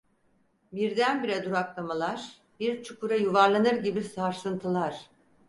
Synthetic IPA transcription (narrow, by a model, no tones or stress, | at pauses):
biɾd̪ænbiɾɛd̪uɾaklˠamalˠaɾ̥ | biɾt͡ʃʰukʰuɾajuvaɾlˠanɯɾɟibisaɾsɯnt̪ʰɯlˠaɾ̥